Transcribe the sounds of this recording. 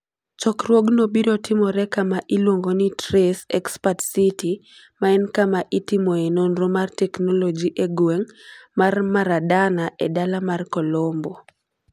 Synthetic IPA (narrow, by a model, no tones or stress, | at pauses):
t͡ʃɔkrwoɡnobiɾɔtɪmɔɾɛkamaʔɪlwoŋɡonitɾesɛkspatsiti | maɛnkamaʔitimoenonɾomartɛknolod͡ʒiʔeɡwɛŋmarmaɾadanaʔɛdalamarkɔlɔmbɔ